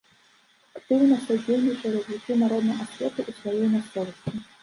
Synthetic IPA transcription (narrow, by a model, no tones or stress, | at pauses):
akt̪ɨwnɐsad͡zʲelnʲit͡ʂɐɾɐzʲvʲit͡sʲunaɾɔd̪nɐasfʲɛt̪uʔusvajɔjmʲast̪sɔvɐsʲt͡sʲi